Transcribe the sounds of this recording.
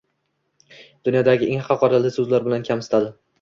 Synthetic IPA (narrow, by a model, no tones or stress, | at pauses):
d̪̥ʊnjɒd̪aɡʲɪʔeŋhɑqʰɑqʰɒɾalɪsɵzlaɾbɪlankʲʰamsɪ̥t̪ʰad̪ɪ